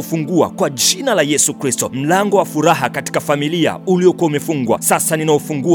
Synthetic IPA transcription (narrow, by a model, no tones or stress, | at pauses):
fuŋɡua̰kwad͡ʒinalajɛsukɾistɔm̩laŋɡɔwafuɾaɦakati̥kafamilia̰uliɔkuaumɛfuŋɡwa̰sasaninaɔfuŋɡu